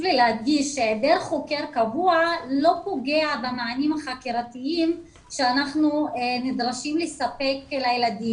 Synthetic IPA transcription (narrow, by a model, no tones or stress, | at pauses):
lilehad̚ɡiʃed̪eʁeχokeʁkavualo̞po̞ɡeabemaanimaχakiʁatiim | ʃeanaχnunid̪ʁaʃimlesape̞klajelad̪i